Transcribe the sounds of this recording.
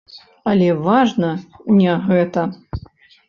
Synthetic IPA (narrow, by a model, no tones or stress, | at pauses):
ɐlʲɛvaʐnɐnʲɛɣɛt̪ɐ